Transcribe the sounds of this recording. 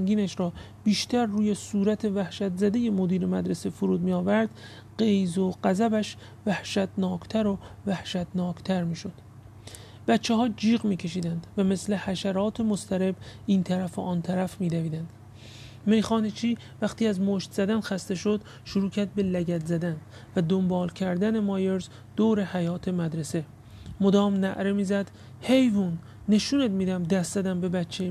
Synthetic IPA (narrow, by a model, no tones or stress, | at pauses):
ŋɡiːnæʃɾɒːbiːʃt̪ʰæɾːuːjesuːɾæt̪ʰe̞væhʃæt̪zæd̪e̞je̞mod̪iːɾemæd̪ɾesefuɾuːd̪miːɒːvæɾd̪̥ | ɢejzoɢæzæbæʃ | væhʃæt̪nɒːkʰt̪ʰæɾovæhʃæt̪nɒːkʰt̪ʰæɾmiːʃo̞d̪̥ | b̥æt̪t͡ʃʰːeɦɒːd͡ʒiːɣmiːcʰe̞ʃ̬iːd̪ænd̪væme̞sle̞hæʃæɾɒːt̪ʰemost̪ʰæɾe̞biːnt̪ʰæɾæfeʔɒːnt̪ʰæɾæfmiːd̪æviːd̪ænd̪̥ | me̞jxɒːnet͡ʃʰiː | væxt̪iːæzmoʃt̪z̥æd̪ænxæst̪e̞ʃo̞d̪ | ʃoɾuːcʰæɾd̪̚be̞læɟæt̪zæd̪æn | væd̪o̞mbɒːlcʰæɾd̪ænemɒːje̞ɾz | d̪̥oːɾe̞hæjɒːt̪ʰemæd̪ɾese̞ | mod̪ɒːmnæʔɾe̞miːzæd̪̥ | hejvunː | e̞ʃuːned̪miːd̪æmd̪æst̪zæd̪æmbe̞bætt͡ʃʰːe